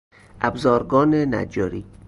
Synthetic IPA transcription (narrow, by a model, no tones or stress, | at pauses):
ʔæbzɒːɾɡɒːnenæ̰d͡ʒɒːɾi